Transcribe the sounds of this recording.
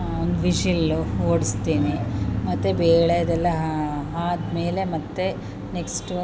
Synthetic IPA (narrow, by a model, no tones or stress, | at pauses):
ond̪uʋiʃilːuɦoːɽist̪iːnimɐt̪ːebeːɭejɐd̪ɛlːɐɦɦaːd̪me̞ːle̞mɐt̪ːe̞ | neksʈ